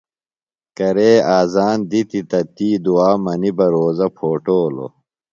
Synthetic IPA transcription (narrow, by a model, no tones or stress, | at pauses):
kɐɾeːaːzaːnd̪it̪it̪ɐt̪iːd̪uaːmɐnibɐɾoːzɐpʰoːʈoːlo̰